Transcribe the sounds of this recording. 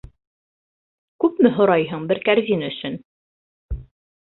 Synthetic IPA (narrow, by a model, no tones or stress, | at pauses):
kʉpmɘɦŏɾɑjɦɤɴbɘɾkæɾzʲinɵ̆sɵn